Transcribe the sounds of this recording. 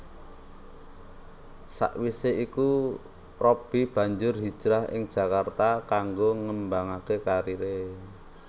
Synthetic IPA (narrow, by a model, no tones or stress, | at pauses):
sa̰ʔwiseiku | rɔb̥i̤b̥a̤ɲd͡ʒʊrɦid̥ʒ̥ɾaɦɪ̰ŋd̥ʒ̥a̤kart̪akaŋɡoŋəmbaŋakekaɾiɾe